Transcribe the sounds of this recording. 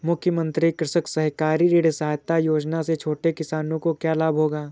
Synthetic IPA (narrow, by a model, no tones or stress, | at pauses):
mʊkʰjəmə̃nt̪ɾikɾɪʃəksɐɦkaːɾiɾeːɽsɐɦaːjt̪ajoːd͡ʒnaset͡ʃʰoːʈekɪsaːnõkokjaːlaːbʱɦoːɡaː